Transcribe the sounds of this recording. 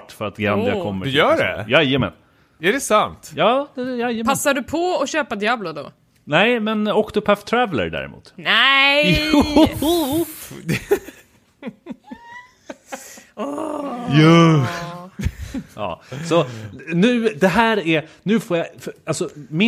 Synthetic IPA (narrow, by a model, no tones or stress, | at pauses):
ʈfœɾat̪ɡand̪ɪakʰɔmːəd̪jœːɖɛ̰jajəmɛ̰n | æɖɛsant̪jɑːd̪ɛjajəpʰasːaɖɵpʰɔɔɕøːpad̪jaːblɔd̪ɔ̰ | nɛɪmɛnɔksɔpʰːæft̪ʰːɾævlə̰ɾɖæ̰ːɾɛ̰mṵːt̪nɛ | jʉ | ɑ̰ːsɔnʉ̟ːd̪ɛɦæːɾæɾnʉ̟ːfoːɾjafalsɔmɪ